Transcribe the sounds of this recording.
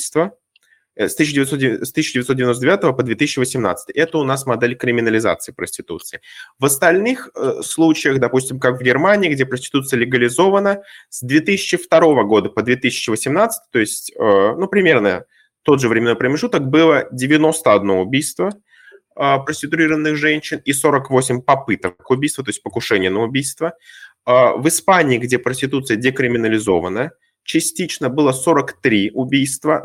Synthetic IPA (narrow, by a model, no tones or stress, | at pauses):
ist̪və | st̪ɨsɕːdʲɪvɪt̪sost̪ɨsʲːɪdʲɪvʲɪt̪sodʲɪvɪnost̪dʲvʲat̪əvəpəd̪vʲet̪ɨsʲɪ̥t͡ɕːɪvəsʲɪmna̰t̪st̪ɨjʔɛt̪əʊnasmɐd̪ɛlʲkɾʲɪmʲɪnəlʲɪza̰t̪sɨɪpɾəsʲtʲɪt̪ṵt̪sɨɪvəst̪ɐlʲnɨxəslˠut͡ɕɪjəxd̪ɐpusʲtʲɪmkakvɡʲɪrmanʲɪːɡdʲe̞pɾəsʲtʲɪ̥t̪ut̪sɨjəlʲɪɡəlʲɪzo̞vənəsd̪vʲe̞t̪ɨsʲɪ̥t͡ɕːɪft̪ɐɾo̞vəɡo̞d̪əpəd̪vʲet̪ɨsʲɪ̥t͡ɕɪvəsʲɪmnat̪sɨ̥t̪ɨ̥t̪o̞ɪsʲtʲənupɾʲɪmʲe̞rnə | t̪o̞t̪d̪ʐɨvɾʲɪmʲnojpɾəmʲɪʐut̪ək̚bɨlˠədʲɪvʲɪno̞st̪əɐd̪no̞ʊbʲijst̪və | əpɾəsʲɪt̪ʊɾʲiɾəvənːɨxʐɛnʲɕːɪniso̞ɾəkvo̞sʲɪmʲpɐpɨt̪əkʊbʲijst̪vət̪o̞ɪs̚ʲpəkʊʂɛnʲɪjənəʊbʲijst̪vəəvɨspanʲɪːɡdʲepɾəsʲtʲɪt̪ut̪sɨjədʲɪkɾʲɪmʲɪnəlʲɪzo̞vənə | t͡ɕɪsʲtʲit͡ɕnəbɨlˠəso̞ɾəkt̪ɾʲiʊbʲijst̪və